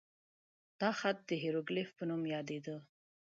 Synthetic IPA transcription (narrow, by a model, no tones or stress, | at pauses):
d̪̥ɑxat̪̚d̪əɦeɾoɡlefpənumjɑd̪ed̪ə